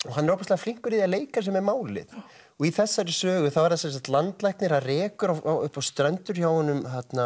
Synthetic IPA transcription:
ɔɦanɛɾowpast̪lɪafliŋ̥kʏɾiðialeːjkaɾs̬ɛmɛɾmaːwlɪ̰ð | ɔɣiθɛsːaɾɪsœːɣʏθawvaɾðasɛns̬aht̪lant̪lajhknɪɾaðrɛːkʏɾawaʏ̰hpawst̪ɾɛnt̪ʏɾ̥çawhɔnːʏmhat̪na

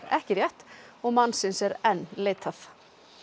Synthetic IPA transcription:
ɾɛ̰hcɪɾjɛht̪ɔɣmanːsɪnsɛɾɛnːleːt̪ʰaθ

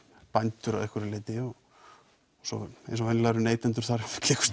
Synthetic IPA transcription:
pajnt̪ʏɾa̰ðɛhkvɛɾɪlɪːt̪ɪɔɣ | sɔ̰ḛjnsɔvɛnɪlaɾʏneːjt̪ɛnt̪̬ʏɾ̥θaɾk̪ʰɛkʏ̥

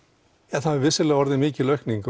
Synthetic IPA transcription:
ɛθaðɪɾvɪsɪlɛɣaɔɾðɪmɪːcɪlœɥhkniŋk

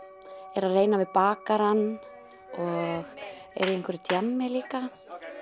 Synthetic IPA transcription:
ɛɾaðreːjnavɪðpaːkaɾanː | ɔɣɛ̰ɾiejŋkvɛɾt̪ʰjamːɪliːka

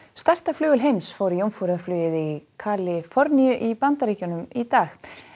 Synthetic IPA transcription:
st̪ast̪aflʏːɣʏlɦejmsfoːwɾɪjowmfuɾɪðaɾflʏːjɪðikʰaːlɪfɔɾniʏʔipant̪aɾiːhcʏnʏmit̪aːx

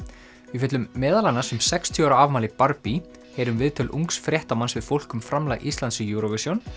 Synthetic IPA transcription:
vɪf̬ɛt̪lʏmːɛːðalanːasɛmsɛkst̪ʰjɔɾaavmaːlɪpaɾpi | heːɾʏmvɪðt̪ʰɪlʔṵŋksfɾjɛht̪amansvɪðfowl̥kʏmfɾamlaɣʔist̪lant̪sʏjuɾɔvɪsjɔn

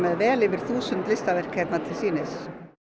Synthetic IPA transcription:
mɛðvɛːlɪʋɪɾ̥θuːsʏnt̪lɪst̪aʋɛr̥khɛt̪nat̪ʰɪlsiːnɪs

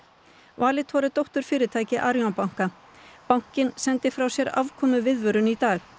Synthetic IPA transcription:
vaːlɪt̪hɔɾɪt̪owht̪ʏɾ̥fɪːɾɪt̪ʰaːjcɪʔaɾjawpawŋ̥ka | pawŋ̥cɪnsɛnt̪ɪfɾawsjɛɾa̰vkʰɔːmʏvɪðvœɾʏnit̪aːɣ

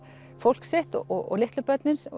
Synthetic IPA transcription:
fowl̥kseht̪ɔɔɔ̰ɣlɪht̪lʏpœt̪nɪns

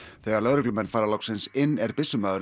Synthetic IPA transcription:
θɛːɣaɾlœðɾɛklʏmɛnfaːɾalɔwksɪnsɪnːɛɾpɪsːʏmaːðɾ

